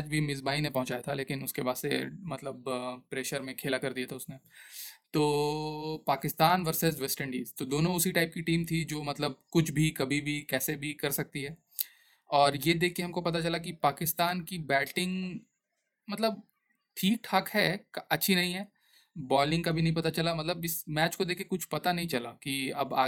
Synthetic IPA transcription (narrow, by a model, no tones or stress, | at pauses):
aːd͡ʒbʱimɪzbaːinẽpɐɦʊ̃t͡ʃaːjat̪ʰaleːkɪnʊskebaːd̪sḛmɐt̪ləbpɾeːʃəɾmẽkʰeːlakɐɾd̪ijat̪ʰaʊsnet̪oː | paːkɪst̪aːnʋɐɾsɪzʋɛsʈɛ̃ɳɖiːzt̪od̪oːnõʊsiʈaːɪp̚kiʈiːmt̪ʰid͡ʒoːmɐt̪ləb̚kʊt͡ʃʰbʱikɐbʱibʱikɛːsebʱikɐɾsɐk̚t̪iɦɛː | ɔːɾjed̪eːkʰːeɦɐmkopɐt̪at͡ʃɐlakipaːkɪst̪aːnkibɛːʈɪ̃ŋɡ | mɐt̪ləb̚ | ʈʰiːk̚ʈʰaːkɦɛːkaɐtːʃʰinɐɦĩɦɛː | bɔːlɪ̃ŋɡkabʱinɐɦĩp̬ɐt̪at͡ʃɐlamɐt̪ləbɪsmɛːt͡ʃkod̪eːkʰkekʊt͡ʃʰpɐt̪anɐɦĩt͡ʃɐlakiɐ̰ba̰ː